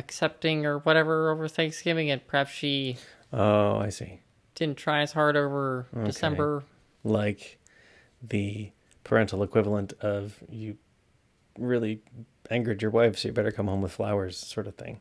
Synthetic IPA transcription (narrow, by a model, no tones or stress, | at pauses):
ɨksɛp̚tɪ̃ŋə˞wʌɾɛvə˞oʊvə˞θeɪkskɪ̃mɪ̃ŋɨ̃t̚pʰə̥˞hæpsʃi | oʊa̰ɪsḭ | d̥ɪdⁿn̩tʰɹ̥aɪɨz̥hɑɹɾoʊvə˞oɨsɛ̃mbə˞ | laɪk | ðɨ | pʰə̰˞ɛ̃ntˡl̩ˠəkʰw̥ɪvl̩ˠə̃ntʌvjɨ | ɹɪlˠi | ʔæ̃ŋɡə˞d͡ʒə˞waɪfsoʊjə˞bɛɾə˞kʰʌ̃mhõʊ̃mwəð̥fla̰ʊə˞z̥sɔɹɾʌv̥θɪ̰̃ŋ